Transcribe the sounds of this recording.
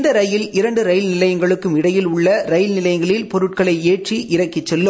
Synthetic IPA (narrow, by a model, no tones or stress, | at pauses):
nd̪ɐɾɐjɪlɪɾɐɳɖɯɾɐjlnɪlɐjɐŋɡɐɭɯkːɯmɪɽɐjɪlʊɭːɐɾɐɪlnɪlɐjɐŋɡɐɭɪlpɔɾɯʈ̚kɐɭɐɪeːʈriʔɪɾɐkːɪt͡ʃːɛlːɯ